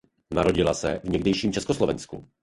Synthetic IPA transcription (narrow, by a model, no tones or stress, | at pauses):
naɾoɟilasɛ̰vɲɛɡdɛjʃiːmt͡ʃɛskɔslɔvɛnsku